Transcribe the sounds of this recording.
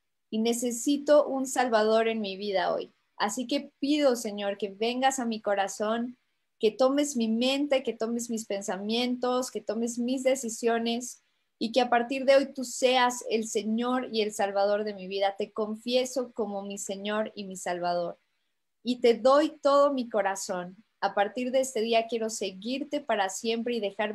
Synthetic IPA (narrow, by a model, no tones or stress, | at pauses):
ine̞se̞sit̪o̞ʔunsalβaðo̞ɾe̞nmiβiðao̰j | a̰sike̞piðo̞se̞ɲo̞ɾke̞βe̞ŋɡasamiko̞ɾaso̞ŋ | ke̞t̪o̞me̞zmimẽ̞nt̪e̞ket̪o̞me̞zmispe̞nsamjẽ̞nt̪o̞ske̞t̪o̞me̞zmizðe̞sisjo̞ne̞s | ike̞apaɾt̪iɾðe̞o̞jt̪use̞ase̞lse̞ɲo̞ɾie̞lsalβað̞o̞ɾðe̞miβiðat̪e̞ko̞ɱfje̞so̞ko̞mo̞mise̞ɲo̞ɾimisalβað̞o̞ɾ | it̪e̞ðo̞jt̪o̞ðo̞miko̞ɾaso̞n | apaɾt̪iɾðeest̪e̞ðiakje̞ɾo̞se̞ɣiɾt̪e̞paɾasje̞mpɾe̞iðe̞xaɾ